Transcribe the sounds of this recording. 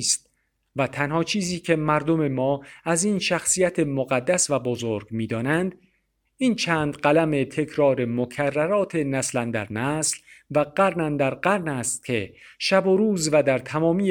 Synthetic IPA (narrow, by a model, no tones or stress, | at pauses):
st̪̚ | væt̪ʰænhɒːt͡ʃʰiːziːcʰe̞mæɾd̪ome̞mɒːæziːnʃæxsiːjæt̪ʰemoɣæd̪ːæsvæbozoɾɡmiːd̪ɒːnænd̪ | iːnt͡ʃʰæːnd̪ɢælæme̞t̪ʰe̞kʰɾɒːɾe̞mokʰærːæɾɒːt̪ʰe̞næslænd̪æ̰ɾnæslvæɢ̥æɾnænd̪æɾɢæɾnæst̪̚cʲʰe̞ʃæboɾuːzvæd̪æɾt̪ʰæmɒːmiː